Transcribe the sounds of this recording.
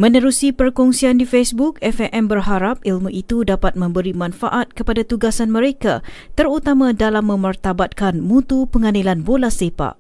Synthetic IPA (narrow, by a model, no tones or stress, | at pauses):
mə̃nə̃ɾusipərkɔŋsiandifesbukɛfɛʔɛmbərɦaɾap̚ilmuʔit̪udapat̪̚mə̃mbəɾimãnfa̰ʔat̪̚kəpadat̪uɡasanmə̃ɾeka̰t̪əɾut̪amãdalamːə̃mərt̪abat̪̚kanmũt̪upəŋãnilanbolasepa̰ʔ